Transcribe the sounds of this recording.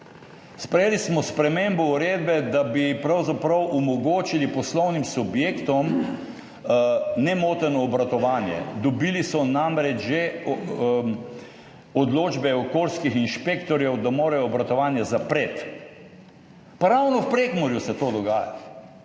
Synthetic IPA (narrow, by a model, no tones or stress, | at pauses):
spɾɛjeːlismɔspɾɛmembɔuɾeːd̪̚bɛd̪abipɾawzapɾɐwʔumɔɡoːt͡ʃilipɔslɔwnimsubjeːkt̪ɔm | nɛmoːt̪ənɔːbɾat̪ɔʋaːnjɛ̰d̪ɔbilisɔnamɾɛd͡ʒʒe | ɔd̪loːd͡ʒbɛɔkoːlskixinʃpekt̪ɔɾjɛwd̪amoːɾajɔːbɾat̪ɔʋaːnjazapɾeːt̪ | paɾawnɔwpɾeːɡmɔɾjusɛt̪od̪ɔɡaːjat̪